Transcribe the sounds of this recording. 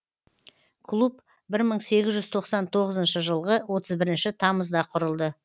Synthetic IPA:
kʰlˠup | bɪɾməɴse̞ɡʲɪzʒʏzt̪ʰo̞qsɑnt̪ʰo̞ʁəzənʃəʒəlˠʁəwo̞t̪ʰəzbɪɾɪnʃɪt̪ʰɑməzd̪ɑqʰʊɾəlˠd̪ə

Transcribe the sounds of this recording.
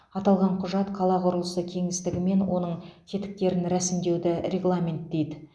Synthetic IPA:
ɑt̪ɑlˠʁɑɴqʰʊʒɑt̪qʰɑlˠɑqʰʊɾəlˠəsəkʲʰe̞ŋɪst̪ɪɡʲɪme̞nwo̞nəɴkʲʰe̞t̪ɪ̥k̚t̪e̞ɾɪnɾæsɪmd̪e̞wd̪ɪɾʲe̞ɡlˠamʲent̪̚d̪e̞jd̪ɪ

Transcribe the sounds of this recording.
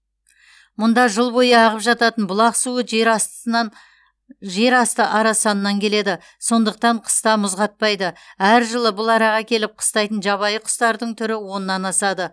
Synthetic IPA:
mʊnd̪ɑʒəlˠbo̞jəɑʁəpʒɑt̪ɑt̪ənbʊlˠɑqsuə | ʒe̞ɾɑst̪əʔɑɾɑsɑnːɑŋkʲʰe̞le̞d̪ɪ | so̞nd̪əq̚t̪ɑɴqʰə̥st̪ɑmʊzʁɑt̪̚pɑjd̪əæɾʒəlˠəbʊlˠɑɾɑʁɑkʲʰe̞lɪp̚qʰə̥st̪ɑjt̪ənʒɑβɑjəqʰʊ̥st̪ɑɾd̪əɴt̪ʰʏɾɪwo̞nənːɑnɑsɑd̪ə

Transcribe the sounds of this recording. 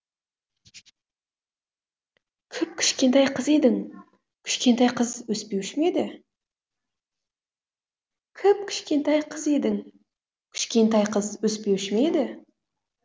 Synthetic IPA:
kʲʰʏp̚kʲʰɪ̥ʃkʲe̞nt̪ajqʰəze̞d̪ɪŋ | kʲʰʏ̥ʃkʲe̞nt̪ajqʰəzwɵspewʃmed̪ɪ | kʲʰɪp̚kʲʰɪ̥ʃkʲe̞nt̪ajqʰəze̞d̪ɪŋ | kʲʰʏ̥ʃkʲe̞nt̪ajqʰəzwɵspeʃɪmeed̪ɪ

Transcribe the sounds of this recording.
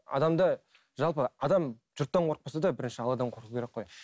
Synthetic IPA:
ɑ̰d̪ɑmd̪ɑ | ʒɑlˠpəɑd̪ɑm | ʒʊɾt̪ːɑɴqʰoɾq̚pɑsɑd̪ɑbɪɾɪnʃɪɑlˠɑd̪ɑɴqʰoɾqukʰʲeɾekːqʰːoj

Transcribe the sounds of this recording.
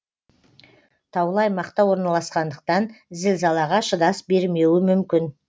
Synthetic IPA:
t̪ʰɑwlˠɑjmɑqt̪ɑwo̞ɾnɑlˠɑsqɑnd̪əq̚t̪ɑnzɪlsɑlˠɑʁɑʃəd̪ɑsbe̞ɾme̞wɪmʏmkʲɪn

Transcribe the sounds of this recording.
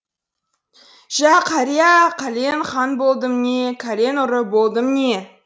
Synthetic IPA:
ʒ̥æqʰɑɾijaqʰɑlʲenχɑnbo̞lˠd̪əmnʲe̞kʲʰaɾʲe̞nʊɾəbolˠd̪əmne

